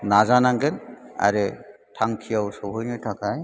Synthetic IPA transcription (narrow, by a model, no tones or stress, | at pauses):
nazanaŋɡɛna̰ɾe | tʰaŋkʰijawsɔbʱɯjnɯtʰakʰaj